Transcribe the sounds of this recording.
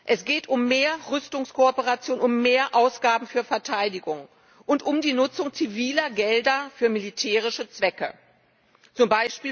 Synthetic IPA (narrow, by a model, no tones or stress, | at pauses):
ʔɛsɡ̥eːtʊmːeːɐʁʏstʊŋskʰoɔpəʁat͡sjoːnʊmːeːɐʔaʊsɡ̥aːbm̩fyːɐfɛɐtʰaɪdɪɡʊŋ | ʔʊntʊmdiːnʊt͡sʊŋt͡siviːlɐɡɛldɐfyːɐmilitʰɛːʁ̞ɪʃɐt͡sv̥ɛkə̰ | t͡sʊmbaɪʃpiː